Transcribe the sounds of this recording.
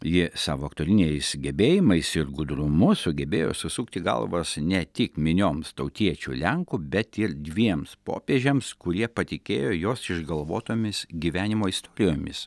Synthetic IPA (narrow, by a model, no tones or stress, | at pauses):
jɪsɑ̰ːʋoːɐkt̪oːɾʲɪnʲɛɪsɡʲɛbʲeːjɪmɐɪsɪɾɡʊd̪ɾʊmʊssʊɡʲɛbʲḛːjo̰ːsʊsuːkt̪ʲɪɡɐ̰lˠʋosnʲɛt̪ʲɪkmʲɪnʲoːmst̪ɐʊt̪ʲiɛt͡ʃʲṵlʲɛŋkʊbʲɛt̪ɪɾd̪ʲʋʲiɛmspo̰ːpʲeːʒʲɛmskʊɾʲiɛpɐt̪ʲɪkʲḛːjoːjoːsɪʒɡɐlˠʋo̰ːt̪oːmʲɪsɡʲiːʋʲæːnʲɪmoːist̪ɔːɾʲɪjoːmʲɪ̰s